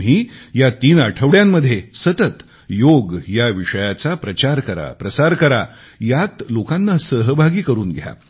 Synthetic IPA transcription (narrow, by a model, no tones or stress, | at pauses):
ɦiːjat̪iːnaʈʰəʋɽjamːəd̪ʱːjesət̪ət̪ | joɡjaʋiʂəjat͡sapɾət͡ɕaɾkəɾa̰pɾəsaɾkəɾa | jat̪lokãnːasəɦbʱaɡiːkəɾuːnɡʱja̰